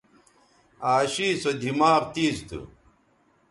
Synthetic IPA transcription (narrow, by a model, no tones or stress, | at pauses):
aːɕiːsod̪ʱimaːʁt̪iːzt̪ṵ